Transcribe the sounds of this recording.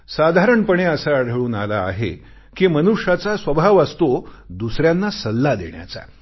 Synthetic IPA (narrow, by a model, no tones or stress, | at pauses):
sad̪ʱaɾəɳpəɳeəsaːɽ̤əɭuːnala̰ːɦḛ | kimənuʂat͡sasʋəbʱaʋast̪od̪usɾjanːasəlːad̪ḛɳja̰t͡sa̰